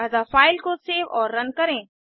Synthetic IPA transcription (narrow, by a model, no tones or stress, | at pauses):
ɐzafaːɪlkoseːʋɔːɾːɐnkɐɾẽː